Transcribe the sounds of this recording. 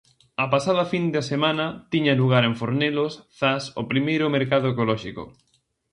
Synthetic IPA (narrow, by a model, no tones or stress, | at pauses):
ɐpasaðɐfind̪asemãnɐt̪iɲɐluɣ̞aɾeɱfoɾnelosθaso̰pɾimejɾʊmeɾkað̞ʊekolɔʃiko̰